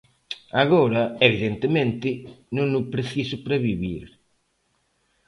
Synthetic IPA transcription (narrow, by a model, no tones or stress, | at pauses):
aɣoɾɐeβiðent̪emẽnt̪ɪnũŋʊpɾeθisʊpɾɐβiβḭɾ